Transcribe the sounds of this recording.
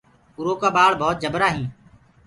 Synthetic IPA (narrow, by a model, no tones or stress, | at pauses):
ʊɾoːkaːbaːɭbʱɔːt̪̚d͡ʒəbɾaːɦĩː